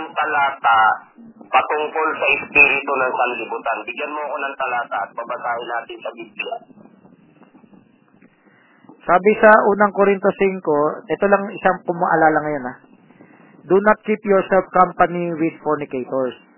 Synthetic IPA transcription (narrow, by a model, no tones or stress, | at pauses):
ŋt̪ɐlaːt̪a | pɐt̪ʊŋko̞lsɐʔɪspiːɾɪt̪onɐŋsɐnlɪbut̪anbɪɡjanmoɐko̞nɐŋt̪ɐlaːt̪ɐʔɐt̪̚pɐbɐsaːhɪnaːt̪ɪnsɐbiblɪa | saːbɪsɐʔuːnɐŋkoɾɪnt̪osɪŋkoʔɛt̪olɐŋɪsaŋpʊmaʔɐ̰laːlɐŋɐjo̞nɐ | d̪unɐt̪̚kipjuɹsɛlb̚kampɐniwɪd̪̚foɹnɪkejt̪oɹs